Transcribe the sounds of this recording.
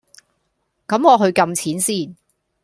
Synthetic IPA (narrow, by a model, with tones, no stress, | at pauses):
kɐ˨˥mŋɔː˨˧ɦɵ˧ɥkɐ˧mt͡sʰiː˨˥nsiː˥˩n